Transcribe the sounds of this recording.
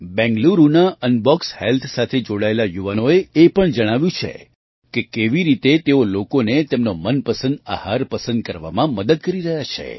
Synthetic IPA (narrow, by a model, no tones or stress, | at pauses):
bɛ̃ŋɡluɾunaənbɔkshelt̪ʰsat̪ʰed͡ʒoɽaelajuʋanoeepəɳd͡ʒəɽ̃aʋjũt͡ʃʰḛ | kekeʋiɾit̪et̪eolokonet̪emnomənpəsə̃nd̪a̰haɾpəsə̃nd̪̚kəɾʋa̰mãməd̪əd̪̚kəɾiɾəɦjat͡ʃʰḛ